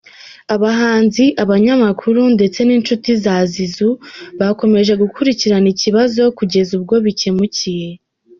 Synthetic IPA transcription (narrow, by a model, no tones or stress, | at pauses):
aβaɦaːnziʔaβaɲamakʰuɾunde̞t͡se̞niːnt͡ʃutizazizuβako̞me̞ʒe̞ɡukuɾiciɾaniciβazo̞kuɟe̞zub̚ɡo̞βice̞mucije̞